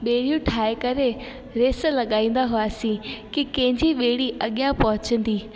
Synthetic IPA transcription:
ɓeːɽijũʈʰaːekɐɾe | ɾeːslɐɠaːĩːn̆d̪aɦʊaːsĩkikɐ̃ɦɪ̃ɲd͡ʑiɓeːɽiʔɐɠijãpɐɦʊt͡ɕə̃nd̪iː

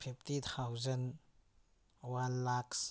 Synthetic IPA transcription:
pʰiptit̪ʰawzɐn | wanlaks

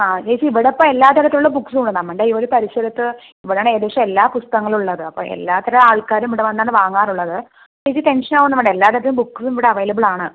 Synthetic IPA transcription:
aːt͡ɕejsiiʋiɽepːoːe̞lːaːt̪ɐɾɐt̪ːiluɭːɐbuksoɳɖɨnɐmːeɳɖeioɾupɐɾiɕɐɾɐt̪ːɨ | iʋiɽeaːɳeːðʋʂɐmelːaːpust̪ɐŋːɐɭuɭːɐðɨɐpːo̰ḛlːaːt̪ːɐɾɐaːɭkaːɾumiʋiɽeʋɐnːaːnɨʋaːŋːaːruɭːɐðɨ | t͡ɕejt͡ɕit̪e̞nʂɐnaːʋunːɐʋɐɳɖeelːaːt̪ːɐɾɐt̪iumbukːsumiʋiɽeɐʋɐjlɐbɨɭaːɳɨ

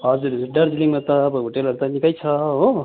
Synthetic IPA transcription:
ɦʌd͡zuɾiɖʌɾd͡ziliŋmʌt̪ʌːbʌɦoʈelɦʌɾut̪ʌnikʌjt͡sʰʌɦo

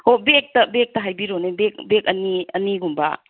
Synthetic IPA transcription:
hobek̚tɐbek̚tɐɦajbiɾonebek̚bek̚ɐniɐ̰niɡumba̰

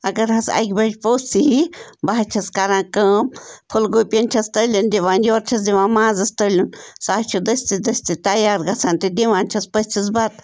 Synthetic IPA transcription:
ɐɡɐɾɦɐsa̰jkbɐd͡ʒpoːsiɦibaɦt͡ʃʰɐskaɾãːkəːmpʰulɡoːpiɐnt͡ʃʰɐst̪ɐlʲɐnd̪iʋãːnd͡ʒʲoːɾt͡ʃʰɐsd̪iʋãːmãːzɐst̪ɐlʲunsaːt͡ʃʰud̪ɐsʲt̪id̪ɐsʲt̪it̪ɐjaːɾɡɐt͡sʰaːnt̪id̪iʋãːnt͡ʃʰɐspɐsʲt͡ʃʰɐs̬bat̪̚

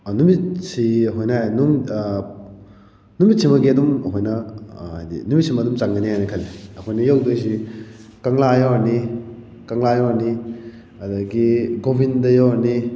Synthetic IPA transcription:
numitsiɦojnɐaanum | numit̚simɐɡiɐdumɦojnɐa̰jdḭnumit̚sʰimɐdumt͡ʃaŋɡɐniajnɐkʰɐlːiɐkʰojnɐjawdojsikɐŋlajawaɾni | kɐŋlajawɐɾni | ɐdɐɡiɡobʱindɐjawɐɾni

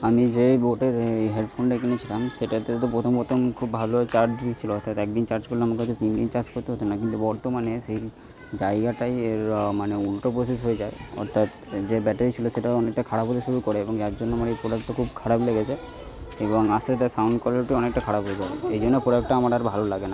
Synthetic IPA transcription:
amid͡ʑeboʈeɾɦeɖpʰonɖekʰinet͡ɕʰilamʃeʈat̪et̪t̪̬opɾot̪ʰompɾot̪ʰomkʰubbʱalot͡ɕaɾd͡ʑit͡ɕʰiloɔɾt̪ʰat̪ɛk̚d̪int͡ɕaɾd͡ʑkoɾleamak̬at͡ɕot̪indint͡ɕaɾd͡ʑkoɾt̪eɦot̪ʰonakint̪ubɔɾt̪omanesej | d͡ʑaeɡaʈajeɾmaneulʈopɾoses̬ɦojed͡ʑaeɔ̰ɾt̪ʰat̪ | d͡ʑebɛʈeɾit͡ɕʰiloʃeʈaɔnek̚ʈakʰaɽabɦot̪eʃuɾukɔɾeeboŋd͡ʑaɾd͡ʑonːeamaɾejpɾoɽakʈokʰubkʰaɽableɡet͡ɕʰe | eboŋaset̪asawɳɖkwaliʈiɔnek̚ʈakʰaɽabɦojed͡ʑabeejd͡ʑonːepɾoɽak̚ʈːaamaɖaɾbʱalolaɡena

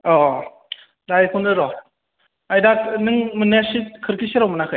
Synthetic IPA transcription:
ɔ | dajkʰundɯɾɔ | ajdatnɯŋmɯnesit̚kʰɯɾkʰisiɾawmɯnakʰɯj

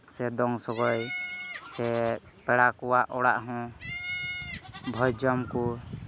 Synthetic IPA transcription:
sɛd̪ɔŋsɔɡɔjsɛ | pɛɽakɔwaʔɔɽa̰ʔɦɔ̃ | bʱɔjd͡ʒɔmku

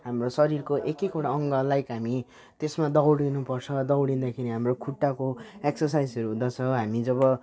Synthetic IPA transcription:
ɦamrosʌɾirkoʔekekoɽaʌŋɡʌlajkɦami | t̪esmad̪ʌɽinupʌrt͡sʰʌd̪ʌwɽind̪akʰiɾiɦamrokʰuʈːakoeksʌrsajd͡zʌɾuɦũd̪at͡sʰʌɦamid͡zʌβʌ

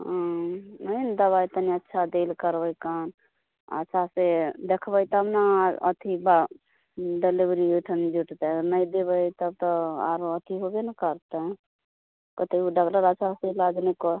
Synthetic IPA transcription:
ɦãnəjnd̪əβajt̪əniətːʃʰad̪elkəɾbəjkan | ə̰t͡ʃʰased̪ekʰbəjt̪ɔɦəmnaə̰t̪ʰiba | ɖelibɾiuʈʰənd͡ʒuʈt̪eəɾnəjd̪eβəjt̪əb̚t̪ɔa̰ɾoət̪ʰiɦobenəkəɾt̪ə | kət̪ʰeuɖəkləɾat͡ʃʰaselad͡ʒnekɔ

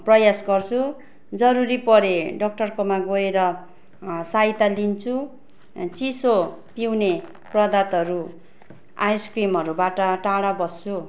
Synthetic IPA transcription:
prʌjasɡʌrt͡sʰu | d͡zʌɾuɾipʌɾeɖʌk̚ʈʌrkomaɡoeɾʌ | sait̪alint͡sʰu | t͡siso | piwne | prʌd̪at̪ʌɾu | ajskrimɦʌɾubaʈʌʈaɽabʌst͡sʰu

